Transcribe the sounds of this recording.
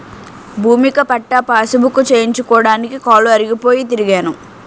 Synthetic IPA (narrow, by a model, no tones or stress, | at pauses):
bʱuːmikɐpɐʈːapaːsubukːut͡ʃeːjiɲt͡ʃukɔːɽaːnikikaːluɐɾiɡipoːjit̪̬iɾiɡaːnu